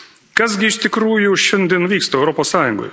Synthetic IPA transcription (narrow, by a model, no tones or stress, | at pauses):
kɐsɡʲɪɪʃʲt̪ʲɪkɾuːjʊʃʲɛnʲd̪ʲiɛnʋʲiːkst̪oːɛʊɾɔpoːssɑːjʊŋɡo̰j